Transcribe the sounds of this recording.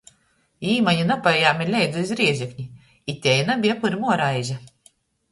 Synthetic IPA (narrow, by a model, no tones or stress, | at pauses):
iːmaɲinapajaːmiɾlʲɛjɡ̪ɨizɾiɛʒʲɛkɲi | it̪ʲɛjnabʲiɛpuɾʲmuɔɾajʒa